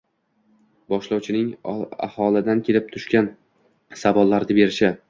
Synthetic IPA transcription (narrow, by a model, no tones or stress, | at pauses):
bɒʃlɒwt͡ʃʰɪnɪŋa̰hɒlˠɪd̪ankʲʰe̞lɪp̚t̪ʰʊʃkʲan | savɒlːaɾd̪ɪbe̞ɾɪʃɪ